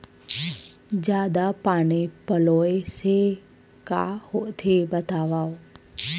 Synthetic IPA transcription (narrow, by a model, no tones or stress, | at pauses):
d͡ʒjaːd̪apaːñipəloːese | ka̰hoʔt̪ʰebət̪aːʋaːo